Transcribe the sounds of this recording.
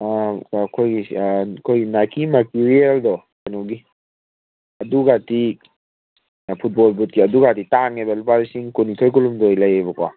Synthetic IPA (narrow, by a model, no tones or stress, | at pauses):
akʰojɡikʰojɡinakʰimatiɾieldɔ | anɔɡi | ɐduɡati | pʰut̚bɔlbut̚kiɐduɡatitaŋebalupaɾisiŋkunitʰojkulumdɔjlɐjebɐka̰